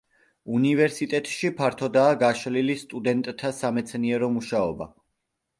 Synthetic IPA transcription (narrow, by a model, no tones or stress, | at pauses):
univɛɾsit̪ʼɛt̪ʼʃipʰaɾt̪ʰɔd̪aːɡaʃlilist̪ʼud̪ɛnt̪ʼt̪ʰːasamɛt̪sʰniɛɾɔmuʃaɔba̰